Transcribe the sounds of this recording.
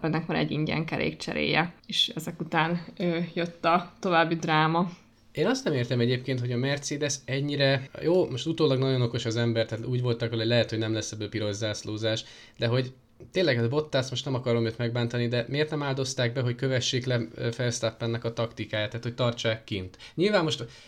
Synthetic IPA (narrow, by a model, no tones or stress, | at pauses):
pɛnːɛkmaːɾɛ̰ɟːiɲɟɛ̰ŋkɛ̰ɾʔḛːkt͡ʃɛ̰ɾḛːjɛeʃɛzɛkut̪aːnøːjøt̪ːɒt̪o̞vaːbːid̪raːmɒ | eːnɒst̪nɛmeːrt̪ɛmɛɟeːpkeːnt̪ho̞ɟɒmɛrt̪seːd̪ɛsɛɟːiɾɛjoːmo̞ʃt̪ut̪oːlɒɡnɒɟo̞noko̞ʃɒzɛmbɛrt̪aːt̪uːɟvo̞lt̪ɒkʋɒlolɛɦɛt̪ho̞ɟnɛmlɛsːɛbːøːpiɾo̞zːaːsloːzaːʃ | d̪ɛɦo̞ɟ | t̪eːnlɛɡɛbo̞t̪ːaːsmo̞ʃt̪nɛmɒkɒɾo̞mjøt̪mɛɡ̚baːnt̪ɒnid̪ɛmeːrt̪nɛmaːld̪o̞st̪aːɡ̚bɛɦo̞ckø̞vɛʃːeːklɛfɛrst̪apːɛnːɛkɒt̪ɒkt̪ikaːjaːt̪ːaːt̪hoct̪ɒrt͡ʃaːkːint̪ɲilvaːmːo̞ʃt̪